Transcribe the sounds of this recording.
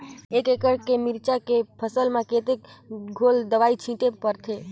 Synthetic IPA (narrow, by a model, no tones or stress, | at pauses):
ekekəɾkemɪɾt͡ʃakepʰəsəlmãket̪ekɡʱold̪əʋait͡ʃʰĩʈepəɾt̪ʰe